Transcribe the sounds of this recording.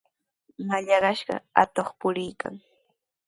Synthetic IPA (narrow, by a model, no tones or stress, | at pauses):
maʎɑɢɑʃɢɑ̰at̪oχpʊɾɪjka̰ŋ